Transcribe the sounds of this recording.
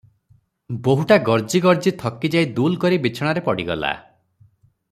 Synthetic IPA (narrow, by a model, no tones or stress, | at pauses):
boɦuʈaɡɔɾd͡ʒiɡɔɾd͡ʒit̪ʰɔkːid͡ʒajd̪ulkɔɾibit͡ʃʰɔɽ̃aɾepɔɽiɡɔla̰